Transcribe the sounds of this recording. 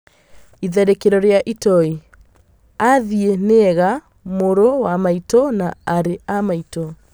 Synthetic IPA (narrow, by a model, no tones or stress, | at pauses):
iðɛɾekeɾɔɾejaʔitɔi | aðieneɛɣa | moɾowamaitɔnaaɾeamaitɔ